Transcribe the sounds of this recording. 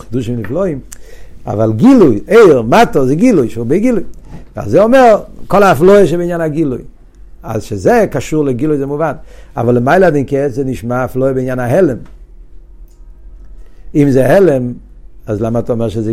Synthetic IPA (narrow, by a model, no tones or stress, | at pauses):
χɪduʃimniflɔima̰valˠɡilujeɪʁmatɔzeɡilujʃubeɪɡilujva̰lzɛɔmɛʁkɔlˠaafloəʃ̬ɛbɪinjanhaɡiluj | a̰zʃezekaʃuʁleɡilujzɛmuvana̰valəmaɪlˠəadɛnkɛszɛniʃmaːflɔəbɪinjanaɦɛlɛm | imzɛhɛlɛm | azlamatːɔmɛʁʃɪzɛ